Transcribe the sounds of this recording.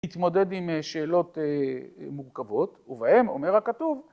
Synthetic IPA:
it̪mo̞d̪e̞d̪imʃeːlo̞t̪emuʁkavo̞tuvahe̞mo̞̰meʁhakat̪uv

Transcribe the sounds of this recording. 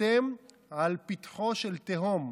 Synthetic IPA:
em | ʕalpit̪χoʃelt̪eɦom

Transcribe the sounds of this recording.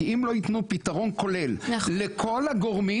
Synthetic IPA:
imlo̞it̪nupit̪aʁo̞nko̞le̞lːekʰo̞laɡoʁmi

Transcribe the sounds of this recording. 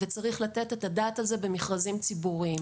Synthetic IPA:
vet͡saʁiχlate̞tetadaːtalze̞be̞miχʁazimt͡sibuʁim

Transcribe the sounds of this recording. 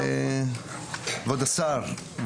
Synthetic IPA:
vod̪asaɾ | v

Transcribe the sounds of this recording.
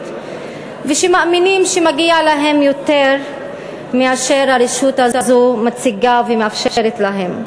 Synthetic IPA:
veʃemaminimʃemaɡialaɦe̞mjo̞t̪eʁ | miaʃeɾhaɾiʃutaazomat͡siɡavemeafʃeʃeɾetlaɦem

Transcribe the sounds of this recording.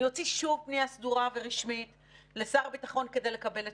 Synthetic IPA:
jo̞t͡siʃuvpneasduʁave̞ʁiʃmit | lesaʁbitaχo̞nke̞de̞jle̞kabe̞le

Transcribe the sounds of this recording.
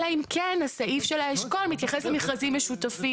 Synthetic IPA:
aimkʰenhasaʔifʃelaeʃkolmit̪jaχeslemiχazimːeʃut̪afi

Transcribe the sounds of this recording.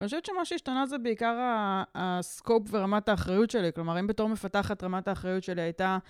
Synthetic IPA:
ioʃevet̪t͡ʃemaʃeiʃtanazebeikaʁaː | skopveʁamataːχʁajutʃe̞liklo̞maʁimbeto̞ʁmefataχatʁamataːχʁajutʃe̞liajta

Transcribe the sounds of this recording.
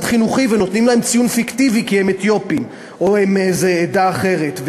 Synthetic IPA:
d̪χinuχiveno̞t̪nimlae̞mt͡sijunfikt̪ivikiemet̪jo̞pim | oemezeːd̪aːχe̞ʁet̪v

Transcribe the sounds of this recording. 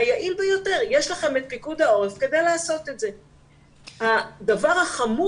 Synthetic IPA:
ajaʔilbejo̞te̞ʁjeʃlaχemet̪̚pikudao̞ʁefke̞d̪e̞jleːso̞t̪etze̞ | had̪avaʁhaχamu

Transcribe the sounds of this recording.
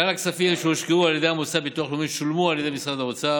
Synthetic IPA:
anaksafimʃeoʃkeualjed̪ehamot͡sabet̪uaχlomiʃulmualjed̪emisʁad̪amot͡sa

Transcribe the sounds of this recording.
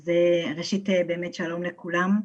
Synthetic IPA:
zeʁeʃitebeːmetʃalo̞mlekulam

